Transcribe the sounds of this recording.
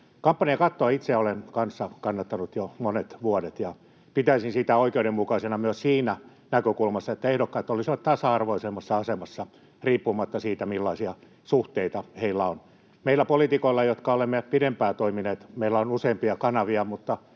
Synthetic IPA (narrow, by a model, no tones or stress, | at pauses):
kɑmpːɑniɑkɑt̪ːoɑit̪seæolenkɑnsːɑkɑnːɑt̪ːɑnut̪jomonet̪ʋuodet̪jɑ | pit̪æisinsit̪æoikeudemmukɑisenɑmyøssiːnæ | nækøkulmɑsːɑet̪ːæehdokːɑːet̪ːolisiʋɑt̪t̪ɑsɑɑrʋoisemːɑsːɑɑsemɑsːɑ | riːpːumɑt̪ːɑsiːt̪æmilːɑisiɑ | suht̪eit̪ɑheilːæon | meilːˑæpolit̪ikoilːɑjot̪kɑolemːeæpidempæːt̪oimineːt̪meilːæonuseimpiɑkɑnɑʋiɑmut̪ːɑ